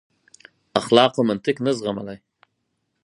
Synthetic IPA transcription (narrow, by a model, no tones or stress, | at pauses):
aχlɑːqamant̪ɪknəzʁamalaj